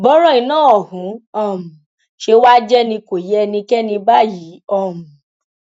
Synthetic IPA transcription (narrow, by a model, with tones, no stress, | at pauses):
bɔ˦ɾɔ̃˦ĩ˧˦nãː˦˨ɔ˨hũ˨˦ɔ˦˨m̩˨ | ʃe˧wa˦d͡ʒɛ˦nĩ˧ko˨jɛ˦nĩ˧kɛ˦nĩ˧ba˦ji˨˦ɔ˦˨mu˨